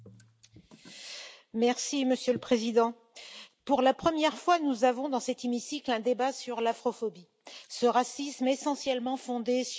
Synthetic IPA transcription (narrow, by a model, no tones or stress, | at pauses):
mɛʁsiməsjøləpχezid̪ɑ̃ | puʁlapχəmjɛʁfwanuzavɔ̃d̪ɑ̃sɛt̪imisiklɛ̃d̪ebasyʁlafχɔfɔbi | səʁasismesɑ̃sjɛlmɑ̃fɔ̃d̪es